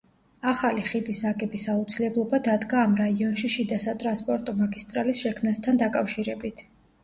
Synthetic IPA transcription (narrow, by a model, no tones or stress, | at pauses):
aχaliχid̪isaɡɛbisaut̪sʰilɛblˠɔbad̪ad̪ɡaːmɾaiɔnʃiʃid̪asat̪ʼɾanspʼɔɾt̪ʼɔmaɡist̪ʼɾalisʃɛkʰmnast̪ʰand̪akʼafʃiɾɛbit̪ʰ